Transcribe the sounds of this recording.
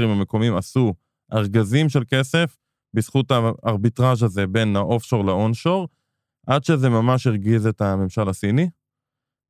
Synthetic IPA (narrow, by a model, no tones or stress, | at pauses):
imame̞ko̞mimasu | ʔaʁɡazimʃelke̞se̞f | bisχutaːʁbitʁaʃ̬aze̞be̞naʔo̞fʃo̞ʁlaonʃo̞ʁ | ʔadʃe̞ze̞mamaʃiʁɡizetame̞mʃalasini